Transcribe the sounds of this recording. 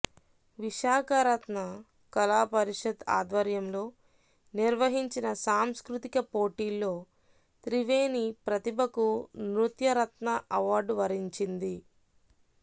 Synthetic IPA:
ʋiʃaːkɐɾɐt̪nɐ | kɐlaːpɐɾiʂɐd̪a̰ːd̪ʋɐɾjɐmlo̞ː | niɾʋɐɦiɲt͡ʃinɐsaːmskɾut̪ikɐpo̞ːʈiːlːo̞ː | t̪ɾiʋeːnipɾɐt̪ibʱɐkunɾut̪jɐɾɐt̪nɐʔɐʋaːɾɖʋɐɾiɲt͡ʃind̪i

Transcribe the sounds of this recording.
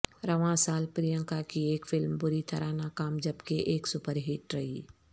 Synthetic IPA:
ɾɐʋãsaːlpɾijə̃ŋkakieːkfɪlmbʊɾit̪ʰɐɾanakaːmd͡ʒɐbkeʔeːksʊpəɾɦɪʈɾɐɦiː

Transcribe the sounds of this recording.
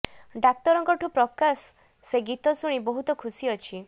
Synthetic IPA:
ɖak̚t̪ɔɾɔŋkɔʈʰupɾɔkasː | eɡit̪ɔsuɽ̃ibɔɦut̪ɔkʰusiɔt͡ʃʰi

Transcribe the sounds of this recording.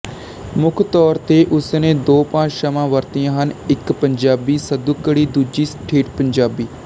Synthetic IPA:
mʊkʰt̪ɔːɾt̪eːʔʊsnẽːd̪oːpãːt͡ʃʃəmãːʋəɾt̪ijãːɦənɪkpəɲd͡ʒaːbiːsəd̪ukːəɽiːd̪uːd͡ʒiːsʈʰeːʈpəɲd͡ʒaːbiː

